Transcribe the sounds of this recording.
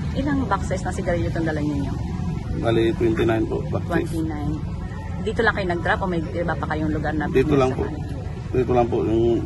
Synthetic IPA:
ʔɪlaŋbaksɛsnɐŋsɪɡ̪ɐɾiʎːot̪ʊnd̪ɐlanɲɪɲːo | baːlɪt̪wɛnt̪ɪnajnpo̰ʔbakt̪wɛnt̪inajn | d̪iːt̪olɐŋkɐjonɐɡ̚t̪ɾapʔomɐjʔɪbapɐkɐjoŋlʊɡaɾnɐd̪iːt̪olaŋpo̰nɪ | d̪iːt̪olɐŋpojʊŋ

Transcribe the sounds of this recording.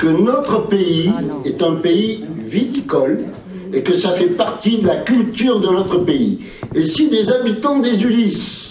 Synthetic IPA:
kənɔt̪χəpeiɛt̪ɛ̃peivit̪ikɔl | ekəsafɛpaʁt̪id̪əlakʲylt̪yʁd̪ənɔt̪χəpeḭ | esid̪ezabit̪ɑ̃d̪ezylis

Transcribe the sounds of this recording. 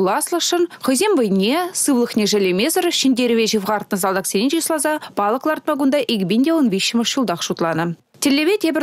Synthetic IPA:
lˠɑslˠəʃənχojzembəjnʲesɨvlˠəχnʲeʒelʲemʲezərfʃinʲd̪ʲeɾɪvʲeʒivʁɑɾt̪nəzɑlˠd̪ɑqsʲenʲenʒislˠɑzɑb̥ɑlˠəklˠɑrt̪̚mɑɡund̪ɑʔeɡʲbʲenʲd̪ʲewonbʲesʃɪməʃʃəlˠd̪ɑqʃut̪lˠɑnə | t̪ʰʲɪlʲːeβʲet̪ʲʰebʲɪ

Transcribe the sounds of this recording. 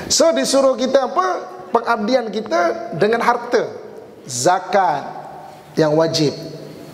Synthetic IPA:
sədisuɾʊhkit̪aːpapəŋab̚diankit̪adəŋanɦart̪ə | zakan | jaŋwad͡ʒɪp̚

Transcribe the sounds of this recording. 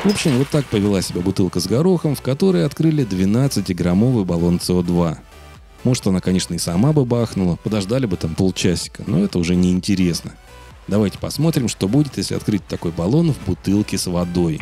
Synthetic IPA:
vo̞pɕɪmvo̞t̪ːak̚pəvʲɪlˠasʲɪbʲabʊt̪ɨlˠkəzɡɐɾo̞xəmfkɐt̪o̞ɾəjɐt̪kɾɨlʲɪd̪vʲɪnat̪sɨtʲɪɡɾɐmo̞vɨjbɐlˠo̞nt̪sɨo̞d̪va | moʐɨt̪ɐnakɐnʲe̞ʂnəɪsɐmabɨbaxnʊlˠəpəd̪ɐʐd̪alʲɪbɨt̪ampolˠt͡ɕæsʲɪ̥kəno̞ɛt̪əʊʐɛnʲɪɪnʲtʲɪɾʲe̞snə | d̪ɐvajtʲɪ̥pɐsmo̞t̪ɾʲɪmʂt̪o̞budʲɪt̪jesʲlʲɪ̰ɐ̰t̪kɾɨtʲt̪ɐko̞jbɐlˠo̞nvbʊt̪ɨlˠkʲɪsvɐd̪o̞j

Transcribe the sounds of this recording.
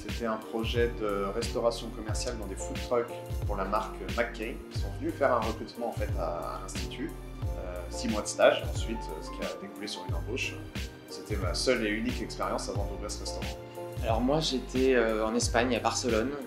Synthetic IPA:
set̪ɛɛ̃pχɔʒɛd̪əʁɛst̪ɔʁasjɔ̃kɔmɛʁsjald̪ɑ̃d̪efut̪χœk | puʁlamaʁkʰmakːɛkʲi̥sɔ̃vənyfɛʁɛ̃ʁəkχyt̪mɑ̃ɑ̃fɛt̪a̰a̰lɛ̃st̪it̪ʰy | øsimwad̪əst̪aʒɑ̰̃sɥit̪ʰø̰sə̥kʲiad̪ekulesyʁynɑ̃boʃ | set̪ɛmasœleynikɛkspeʁjɑ̃savɑ̃d̪uvʁiʁsəʁɛst̪ɔʁɑ̃ | alɔʁmwaʒet̪ʰɛøɑ̃nɛspaɲabaʁsəlɔn

